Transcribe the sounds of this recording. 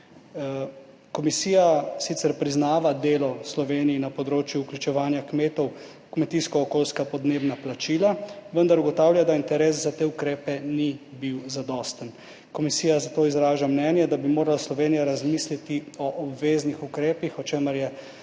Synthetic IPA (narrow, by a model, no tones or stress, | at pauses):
kɔmisiːjasit̪sɛɾpɾiznaːʋad̪eːlɔslɔʋeːnijːnapɔd̪ɾoːt͡ʃjuːklʲjut͡ʃɛʋaːnjakmeːt̪ɔw | kmɛt̪iskɔːkoːlskapɔd̪neːbnaplat͡ʃiːlaʋənd̪aɾuɡɔt̪aːwlʲjad̪aint̪ɛɾeːs̬zat̪eːukɾeːpɛnibiwzad̪ɔst̪ən | kɔmisiːjazat̪oːizɾaːʒamnɛnjɛd̪abimoːɾalaslɔʋeːnijaɾazmislit̪iɔʔɔbʋeːznixukɾeːpixɔt͡ʃeːməɾjɛ